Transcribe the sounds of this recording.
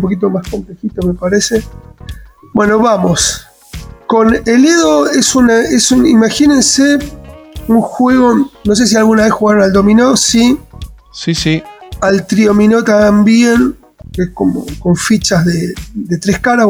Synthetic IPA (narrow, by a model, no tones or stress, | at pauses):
p̬o̞kit̪̬o̞masko̞mple̞xit̪o̞me̞paɾe̞se | bwe̞no̞βamo̞s | ko̞neleðoesunaesunimaxine̞nse | uŋxwe̞ɣo̞no̞s̬e̞s̬ialɣunaβe̞sxuɣaɾonald̪o̞mĩnosi | ssialt̪ɾiomino̞t̪ambje̞n | eskomo̰ko̞ɱfit͡ʃazðed̪et̪ɾehkaɾa